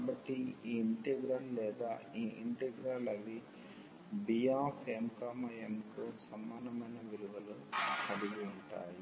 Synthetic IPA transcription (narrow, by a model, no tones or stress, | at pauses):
kːbɐʈːiiːɳʈɛɡɾaːllɛːd̪aːiːʔiɳʈɛɡɾaːlɐʋi | bijaːpʰeːmkaːmɐemkusɐmaːnɐmɐjnɐʋiluʋɐluɐd̪iɡiuɳʈa̰ːji